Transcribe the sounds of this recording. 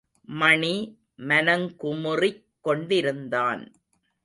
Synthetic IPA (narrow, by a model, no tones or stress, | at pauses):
mɐɳi | mɐnɐŋkʊmɯrɪkːɔɳɖɪɾɯnd̪aːn